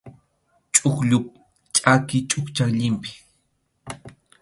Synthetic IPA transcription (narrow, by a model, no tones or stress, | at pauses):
t͡ʃʼʊkʎʊp̚ | t͡ʃʼakɪt͡ʃʼʊkt͡ʃakʎɪmpɪ̥